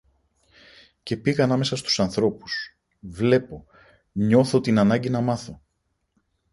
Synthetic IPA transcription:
ce̞piɣɐnɐme̞sɐst̪u̥sɐnθɾo̞pu̥s | vle̞po̞ | ɲo̞θo̞t̪inɐnɐɲɟinɐmɐθo̞

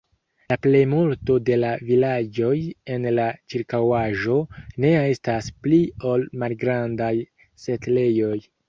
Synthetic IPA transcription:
laple̞jmulto̞de̞lavilad͡ʒo̞je̞nlat͡ʃiɾkawaʒo̞ne̞e̞stasplio̞lmalɡɾandaj | se̞tle̞jo̞j

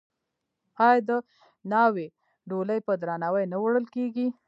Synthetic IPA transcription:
ɑjd̪ə | nɑwe | ɖoləjpəd̪ɾanawəjnawɽəlkeɡi

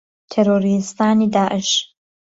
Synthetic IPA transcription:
t̪ʰeɾoːɾist̪aːniːd̪aːʔəʃ

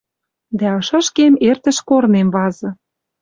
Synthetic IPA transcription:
d̪æɤʃɑ̆ʃkemert̪ə̆ʃkornemβɑzɤ̆

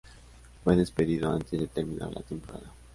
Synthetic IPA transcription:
aðespeðiðoa̰nt̪ezd̪et̪eɾmina̰ɾla̰t̪empoɾa̰ða

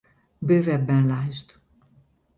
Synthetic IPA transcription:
bøːvɛbːɛnlaːʒt̪

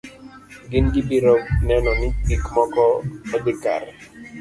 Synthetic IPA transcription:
ɡɪnɡibiɾɔnɛnɔnɪɪkmɔkɔɔd̪ɪka̰ɾɛ

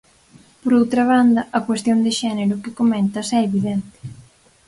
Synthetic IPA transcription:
poɾowt̪ɾɐβ̞and̪ɐʔɐkwest̪jond̪ɪʃɛneɾʊkɪkomɛ̃nt̪ɐsɛeβiðɛnt̪ɪ̥

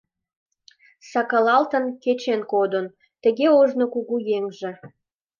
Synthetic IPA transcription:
sɑkɑlɑlt̪ə̆nket͡ɕenkod̪ən | t̪ə̆ɣeoʒnokuɣujeŋʒĕ

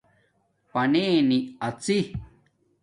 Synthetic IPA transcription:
panĩnĩat͡si

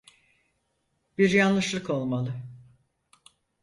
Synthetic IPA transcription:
b̥iɾjanlˠɯʃlˠɯko̞lˠmalˠɯ

